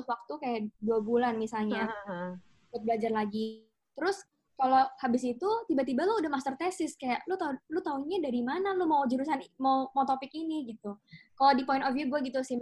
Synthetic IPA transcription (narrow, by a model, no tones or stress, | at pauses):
wak̚t̪ukajaʔduabulanmisalɲa | kʊt̪̚bəlad͡ʒarlaɡi | t̪əɾʊs | kalohabɪsit̪ut̪ibat̪ibalʊudahmast̪ərt̪ɛsɪskajaʔlʊt̪alʊt̪auɲadaɾimanalumawd͡ʒəɾusanmawmawt̪opɪkiniɡit̪ukalodipoɪntɔfjuɡuaɡit̪usɪ